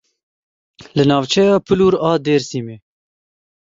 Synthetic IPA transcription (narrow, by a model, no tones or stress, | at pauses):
lɨnɑːvt͡ʃʰɛjɑːpʰɨluːɾɑːd̪eːɾsimeː